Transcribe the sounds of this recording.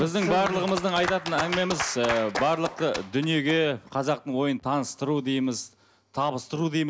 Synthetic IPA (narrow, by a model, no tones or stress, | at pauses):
bɪzd̪ɪŋbɑɾlˠəʁəməzd̪əɴɑjt̪ɑt̪ənæŋɡʲɪme̞mɪzəbɑɾlˠəq̚t̪əd̪ʏnije̞ɡʲe̞qʰɑzɑq̚t̪əɴwo̞jənt̪ʰɑnəst̪əɾud̪ejməz | t̪ʰɑbəst̪əɾud̪ejm